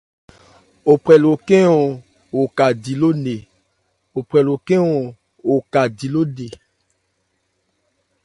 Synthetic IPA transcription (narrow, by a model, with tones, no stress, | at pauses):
o˨pɾɛ˨lo˨kẽ˦ɔ˨ | wo˨ka˨di˨lo˦ne˨ | o˨pɾɛ˨lo˨kɛ˦ɔ˨ | o˨ka˨di˨lo˦ne˨